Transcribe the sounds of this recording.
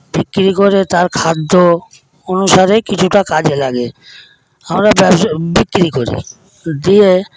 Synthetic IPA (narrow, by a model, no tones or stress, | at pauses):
b̥ikːɾikoɾet̪aɾkʰad̪ːo | onuʃaɾekit͡ɕʰuʈakad͡ʑelaɡe | amɾabɛbbikːɾikoɾḭ | d̪ie